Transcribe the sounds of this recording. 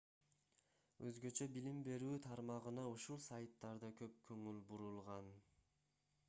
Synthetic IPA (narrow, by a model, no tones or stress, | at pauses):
øzɡø̞t͡ʃø̞bilimbe̞ɾyːt̪ʰɑɾmɑʁɯnɑuʃulˠsajt̪ːɑɾd̪ɑkʰøp̚kʰɵŋylbuɾulˠʁɑn